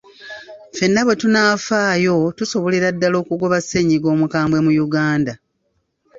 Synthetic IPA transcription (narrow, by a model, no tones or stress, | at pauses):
fe̞nːaβwe̞tunaːfaːjo̞tuso̞βo̞leɾadːalo̞ːkuɡo̞βasːe̞ɲiɡo̞ːmukaːmbwe̞mujuɡaːnda